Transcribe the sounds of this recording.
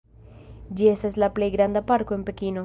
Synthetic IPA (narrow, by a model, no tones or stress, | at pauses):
d͡ʒiest̪aslaplejɡɾand̪apaɾkoempekino